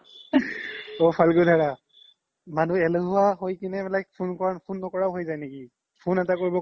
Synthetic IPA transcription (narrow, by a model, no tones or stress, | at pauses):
opʰalɡodʱaɹa | manuɛloɦuaɦojkinɛbɛlajk̚pʰunkɔɹanpʰunːɔkɔɹaʊɦojzajneki | pʰunɛtakoɹibɔ